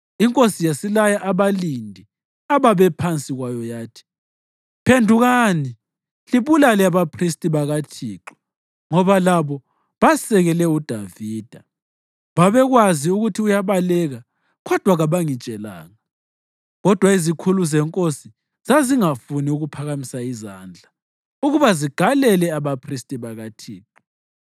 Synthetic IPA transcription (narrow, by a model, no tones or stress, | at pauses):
iŋkʼosijasilajaʔaβalindʱi | aβaβɛpʰant͡sʼiɣwajɔjaːtʰi̥ | pʰendʱuɣani | liβulalɛaβapʰristʼiβaɣat͡ʃʰiːǁɔ̥ | ŋɔβalaβɔ | βasɛɣɛlɛud̥ʱaviːd̥ʱa | βaβɛɣwaziuɣutʰiujaβalɛɣa | ɣɔd̥ʱwaɣaβaŋit͡ʃʼɛla̰ːŋa | ɣɔd̥ʱwaizikʰuluzɛŋkʼosi | z̥aziŋafuniuɣupʰaɣamisaizaːnd͡ɮʱa | uɣuβaziɡ̥ʱalɛlɛaβapʰristʼiβaɣatʰiːǃɔ